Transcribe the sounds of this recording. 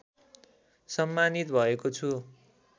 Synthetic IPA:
sʌmːanit̪bʱʌekot͡sʰu

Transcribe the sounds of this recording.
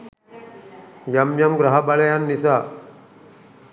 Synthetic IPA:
jɐmjɐmɡɾɐɦabalɐjanːisa

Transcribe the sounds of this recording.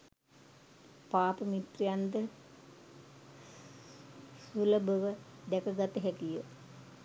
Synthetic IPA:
paːpəmit̪rijand̪ə | suləbəʋəd̪ækəɡat̪əɦæk̪ijə

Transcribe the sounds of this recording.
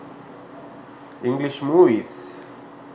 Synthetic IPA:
ĩŋɡliʃmuvis

